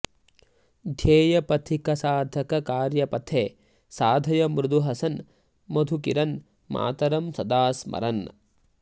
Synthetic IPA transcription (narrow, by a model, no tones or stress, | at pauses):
d̪ʱjeːjɐpɐt̪ʰikɐsaːd̪ʱɐkɐkaːɾjɐpɐt̪ʰeː | saːd̪ʱɐjɐmɾud̪uɦɐsɐn | mod̪ʱukiɾɐn | ma̰ːt̪ɐɾɐmsɐd̪aːsmɐ̰ɾɐn